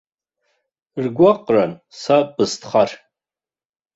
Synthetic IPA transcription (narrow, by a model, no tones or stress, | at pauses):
rɡʷaqʼransabɨstʰχar